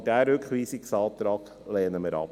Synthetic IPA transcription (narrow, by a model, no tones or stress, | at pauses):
d̥æɾøkʰχʋiːsɪksɑːt̪ɾɑːɡ̥ | lɛːnəməɾɑ̰p